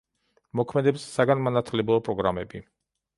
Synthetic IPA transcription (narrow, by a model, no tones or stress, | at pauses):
mɔkʰmɛd̪ɛpsːaɡanmanat̪ʰlɛbɾɔpʼɾɔɡɾamɛbi